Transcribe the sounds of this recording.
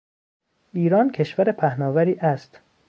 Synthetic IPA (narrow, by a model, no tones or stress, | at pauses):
ʔiːɾɒːncʰe̞ʃvæɾepʰæhnɒːvæɾiːʔæst̪